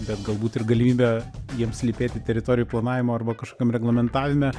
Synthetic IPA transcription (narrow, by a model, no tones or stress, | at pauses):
bʲɛt̪ɡɐlˠbuːt̪ɪrɡɐlʲɪmʲiːbʲɛjiɛmsʲlʲipʲeːt̪ʲɪt̪ʲɛɾʲɪt̪oːɾʲɪjuːplˠɐnɑːʋʲɪmoːɐrbɐkɐʃkoːkʲɛmɾʲɛɡlˠɐmʲɛnt̪ɑːʋʲɪmʲɛ